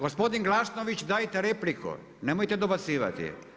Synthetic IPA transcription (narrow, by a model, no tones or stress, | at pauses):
ɡospod̪inɡlasnoʋit͡ʃd̪aːjt̪eɾeplikʰṵ | nemojt̪ɛd̪obat̪siːʋa̰t̪ḭ